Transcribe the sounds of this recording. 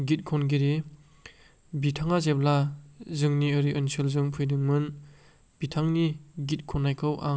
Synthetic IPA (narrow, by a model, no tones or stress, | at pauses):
ɡit̚kʰɔnɡiɾi | bitʰaŋazep̚lazɯŋniɯɾiʔɯnsɯlzɯŋpʰɯjdɯŋmɯn | b̥itʰaŋniɡit̚kʰɔnːajkʰɯwʔa̰ŋ